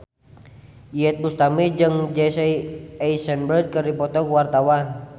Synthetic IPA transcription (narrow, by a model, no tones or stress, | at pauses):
iɛt̪̚must̪amid͡ʒɨŋd͡ʒɛsɛjɛjsɛnbərd̪̚kərdipɔt̪ɔkuwart̪awan